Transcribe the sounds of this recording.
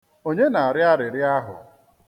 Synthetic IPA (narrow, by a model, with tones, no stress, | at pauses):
o˦ɲe˦na˨a˨ɾɪ˦a˦ɾɪ˨ɾɪ˦a˦ɦʊ̰˨